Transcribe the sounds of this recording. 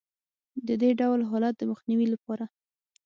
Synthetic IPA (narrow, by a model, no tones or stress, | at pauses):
d̪əd̪eɖawlɦɑlat̪̚d̪əməxniwilapɑɾa